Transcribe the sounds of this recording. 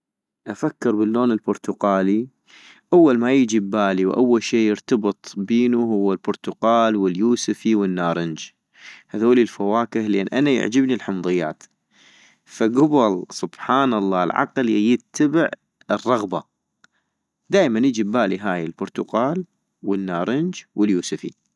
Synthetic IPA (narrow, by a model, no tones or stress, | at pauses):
ʔafakːɪɾbɪlːoːnɪlbʊɾˤt̪ʊqɑːli | ʔawːalmajəd͡ʒibːaːliwʔa̰wːalʃeːjɪɾt̪ɑbɨt̪ˤbiːnuɦʊwːalbʊɾˤt̪ʊqɑːlwɪljuːsɪfiwənːaːɾˤɪnd͡ʒ | haðoːlilfawaːkɪhleːnʔanaja̰ʕd͡ʒɪbnilħʊmðˤɨjːa̰ːt̪ | faɡʊbɪlsˤʊb̥ħaːnɑlˤːɑːlʕɑ̰qljɪt̪ːabɪʕ | ɪrˤːɑɣba | d̪aːʔmanjɪd͡ʒibːaːliɦaːjɪlbʊɾˤt̪ʊɡaːl | wɪnːaːɾˤɪnd͡ʒwɪljuːsɪfḭ